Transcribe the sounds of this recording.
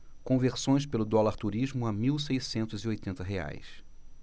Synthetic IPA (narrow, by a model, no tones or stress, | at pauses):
kõveɾsõj̃s̬pelʊd̪ɔlaɾt̪uɾiʒmʊamiws̬ejsẽnt̪ʊziojt̪ẽnt̪ɐɦea̰js